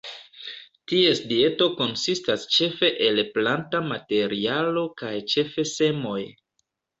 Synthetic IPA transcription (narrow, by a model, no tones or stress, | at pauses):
tie̞sdie̞to̞ko̞nsistast͡ʃe̞fe̞ʔe̞lplantamate̞ɾialo̞kajt͡ʃe̞fe̞se̞mo̞j